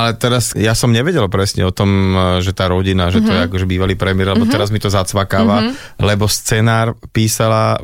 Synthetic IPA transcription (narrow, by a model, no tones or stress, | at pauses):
alɛt̪ɛɾasjasɔmɲɛʋɛɟɛlpɾɛsɲɛ̰ɔt̪ɔmʒɛt̪aːɾɔɟinaʒɛt̪ɔjɛakɔʒɛbiːʋaliːpɾɛmɪɛɾlɛbɔt̪ɛɾazmit̪ɔzat͡sʋakaːʋa | lɛbɔst͡sɛnaːɾpiːsala